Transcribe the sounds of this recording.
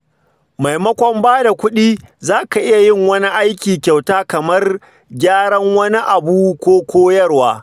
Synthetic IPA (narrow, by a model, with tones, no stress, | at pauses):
ma˨jmɐ˦kʷɔ˦mbaː˦da˨kʷʊ˦ɗiː˦zaː˦ka˨ʔɪ˦ja˨jɪ˦˨ŋwɐ˦ni˦ʔa˦jkʲiː˨kʲa˨wtaː˦kɐ˨mɐ˦r | ɡʲaː˦ɽɐ˦ŋwɐ˦ni˦ʔa˨buː˦kʷoː˦kʷoː˦jɐ˦rwaː˦